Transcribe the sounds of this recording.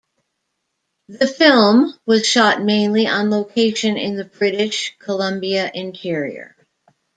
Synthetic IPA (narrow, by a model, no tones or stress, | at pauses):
ðɨfɪlˠmwʌz̥ʃɑt̚mẽɪ̃nliʔə̃nloʊkʰeɪʃɨ̃nɪ̃nðɨbɹɪɾɪʃkʰəlʌ̃mbiɨʔɪ̃ntʰɪɹḭə̰˞